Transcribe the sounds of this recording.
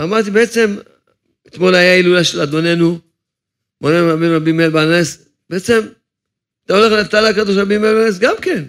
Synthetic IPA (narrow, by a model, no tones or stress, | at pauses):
amaʁt̪̬ibeet͡se̞m | et̪mo̞lajailulaʃelad̪o̞ne̞nu | monemʁabimʁabimelbanes | beet͡se̞m | at̪aole̞χlet̪anakad̪oʃ̬ʁabimelbanes̬ɡamke̞n